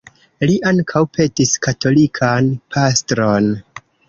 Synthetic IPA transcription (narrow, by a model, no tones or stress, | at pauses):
liʔaŋkʰawpʰe̞tiskato̞likʰanpʰastɾo̞n